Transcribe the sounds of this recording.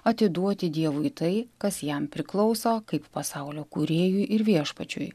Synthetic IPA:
ɐt̪ʲɪd̪uɔt̪ʲɪd̪ʲiɛʋʊit̪ɐɪkɐsjɛmpʲɾʲɪklˠɒʊsoːkɐɪppɐsɑʊlʲoːkuɾʲeːjuʔɪɾʋʲiɛʃpɐt͡ʃʲʊ̰j

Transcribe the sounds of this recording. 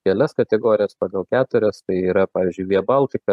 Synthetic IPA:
kʲɛlʲɛskɐt̪ʲɛɡoːɾʲɪjɛspɑːɡɐlˠkʲæːt̪ʊɾʲɛst̪ɐɪiːɾɐpɑːʋʲɪːzʲd͡ʒʲʊɪʋʲiɛbɐlˠʲt̪ʲɪkɐ

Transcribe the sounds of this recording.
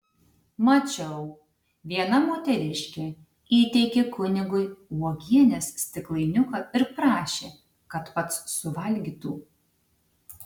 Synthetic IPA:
mɐt͡ʃʲɛʊ | ʋʲiɛnɐmoːt̪ʲɛɾʲɪʃʲkʲe | iːt̪ʲɛɪkʲekʰʊnʲɪɡʊɪɔɡʲiɛnʲɛssʲt̪ʲɪklˠɐɪnʲʊkɐɪɾpɾɑːʃʲeː | kɐt̪pɐt̪sːʊʋɐlʲɡʲiːt̪uː

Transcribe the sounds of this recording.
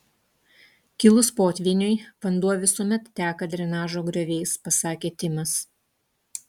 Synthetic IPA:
kʲɪlˠʊspoːt̪ʲʋʲiːnʲʊɪʋɐnd̪uɔʋʲɪsuɔmʲɛt̪t̪ʲæːkɐd̪ʲɾʲɛnɑːʒoːɡɾʲoʋʲɛɪspɐsɑːkʲeːt̪ʲɪmɐs

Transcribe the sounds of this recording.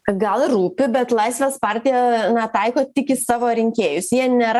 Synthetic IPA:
ɡɐlˠrɾuːpʲɪbʲɛt̪lˠɐɪsʲʋʲeːspɑɾʲt̪ʲɪjɛnɐt̪ɐɪkoːt̪ʲɪkʲɪsɑːʋoːɾʲɪŋʲkʲeːjʊsjiɛnʲeɾ

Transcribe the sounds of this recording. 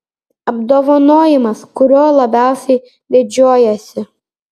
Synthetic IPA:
ɐbd̪oːʋɐnoːjɪmɐskʊɾʲoːlˠɐbʲæˑʊsʲɛɪ | d̪ʲɪd͡ʒʲoːjɛsʲɪ

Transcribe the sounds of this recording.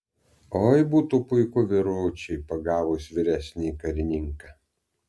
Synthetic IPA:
oːjbuːt̪uːpʊɪkʊʋʲɪɾʊːt͡ʃʲɛɪpɐɡɑːʋʊsʋʲɪɾʲæsʲnʲikɐɾʲɪnʲɪŋkɑ

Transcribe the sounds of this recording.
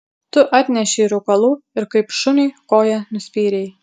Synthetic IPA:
t̪ʊʔɑːt̪ʲnʲɛʃʲɪɪɾʊkɐlˠuːɪɾkɐɪpʃʊnʲɪɪkoːjɛnʊsʲpʲiːɾʲɛɪ

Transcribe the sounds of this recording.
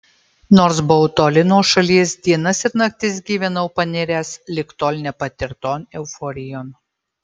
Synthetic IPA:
noːɾsbɔʊt̪oːlʲɪnoːʃɐlʲiɛsd̪ʲiɛnɐsɪɾnɐk̚t̪ʲɪs̬ɡʲiːʋʲɛnɐʊpɐnʲɪɾʲæːslʲɪkt̪oːlʲnʲɛpɐt̪ʲɪɾt̪oːnɛʊfɔːɾʲɪjoːn

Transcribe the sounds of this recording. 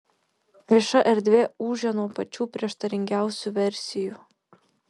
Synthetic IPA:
ʋʲiɛʃɐʔɛɾd̪ʲʋʲeːuːʒʲɛnuɔpɐt͡ʃʲuːpʲɾʲiɛʃt̪ɐɾʲɪŋʲɡʲæˑʊsʲuˑʋʲɛɾʲsʲɪjuːˑ

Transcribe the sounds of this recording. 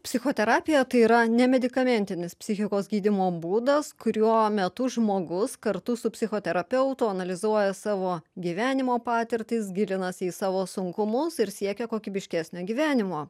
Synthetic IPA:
pʲsʲɪxoːt̪ʲɛɾɑːpʲɪjɛt̪ɐɪiːɾɐnʲɛmʲɛd̪ʲɪkɐmʲɛnʲt̪ʲɪnʲɪspʲsʲɪxʲɪkoːsɡʲiːd̪ʲɪmoːbuːd̪ɐskʊɾʲuɔmʲɛt̪ʊʒmoːɡʊskɐɾt̪ʊsʊpʲsʲɪxoːt̪ʲɛɾɐpʲɛʊt̪ʊɐnɐlʲɪzuɔjɛsɑːʋoːɡʲiːʋʲæːnʲɪmoːpɑːt̪ʲɪɾʲt̪ʲɪs̬ɡʲɪlʲɪnɐsiːsɑːʋoːsʊŋkʊmʊsɪɾsʲiɛkʲɛkoːkʲibʲɪʃʲkʲæːsʲnʲoːɡʲiːʋʲæːnʲɪmoː

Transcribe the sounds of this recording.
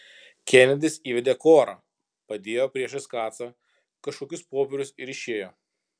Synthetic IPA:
kʲɛnʲɛd̪ʲɪsiːʋʲɛd̪ʲeːkoːɾɐ̰ | pɐd̪ʲeːjoːpʲɾʲiɛʃɐskɑːt̪sɐ | kɐʃkoːkʲʊspoːpʲɛɾʲʊsɪɾɪʃʲeːjoː

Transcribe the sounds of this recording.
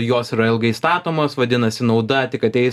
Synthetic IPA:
joːsiːɾɐɪlˠɡɐɪst̪ɑːt̪oːmoːsʋɐd̪ʲɪnɐsʲɪnɒʊd̪ɐt̪ʲɪkɐt̪ʲɛɪ

